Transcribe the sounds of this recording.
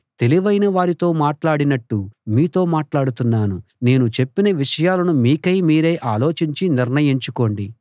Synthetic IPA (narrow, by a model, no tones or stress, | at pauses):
t̪e̞liʋɐjnɐʋaːɾit̪o̞ːmaːʈlaːɽinɐʈːumiːt̪o̞ːmaːʈlaːɽut̪unːaːnune̞ːnut͡ʃe̞pːinɐʋiʂɐjaːlɐnumiːkɐjmiːɾe̞ːʔaːlo̞ːt͡ʃiɲt͡ʃiniɾɳɐjiɲt͡ʃuko̞ːɳɖi